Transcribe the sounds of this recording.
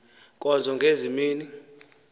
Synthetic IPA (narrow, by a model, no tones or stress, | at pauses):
kʼɔnd͡zʱɔŋɡʱezimiːni